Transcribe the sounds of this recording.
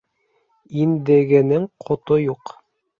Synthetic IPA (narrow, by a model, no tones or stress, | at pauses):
ind̪ɘ̆ɡɘ̆nɘŋqʰŏt̪ojuq